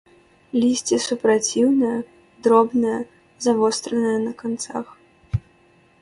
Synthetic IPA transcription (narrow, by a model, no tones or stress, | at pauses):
lʲisʲt͡sʲisupɾat͡sʲiwnɐjɐ | d̪ɾɔbnɐjɐ | zavɔst̪ɾɐnɐjɐnɐkant̪sa̰x